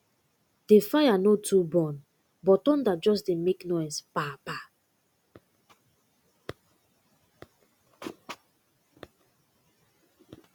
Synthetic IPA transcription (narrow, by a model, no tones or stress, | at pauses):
d̥efajanotubɔ̃n | bɔtɔ̃ndad͡ʒɔs̬demeknɔjspapa